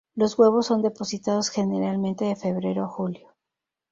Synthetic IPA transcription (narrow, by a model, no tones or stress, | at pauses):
lo̞zɣwe̞β̞o̞sːo̞nd̪e̞po̞sit̪að̞o̞sxe̞neɾalmẽ̞nt̪e̞ðe̞fe̞β̞ɾe̞ɾoaxuljo̥